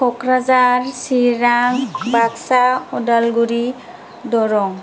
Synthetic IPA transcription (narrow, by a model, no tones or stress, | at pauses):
kʰɔkɹazaɹsiɹaŋbaksaɔdalɡuɹi | dɔɹɔŋ